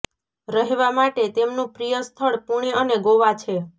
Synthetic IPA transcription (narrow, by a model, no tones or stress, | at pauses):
ɾəɦeʋamaʈet̪emnũpɾijəst̪ʰəɭpuɽ̃eəneɡoʋat͡ʃʰe